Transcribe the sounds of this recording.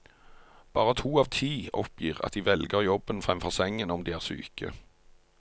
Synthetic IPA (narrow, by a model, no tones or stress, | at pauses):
b̥ɑːʁət̪ʰuːɑːʋt̪ʰiːɔpjiːʁɑ̰t̪̚d̪iːʋɛlɡəʁjɔbənfʁɛmfɔʁsɛŋːənɔmd̪iːæːʁsy̰ːkʰə̰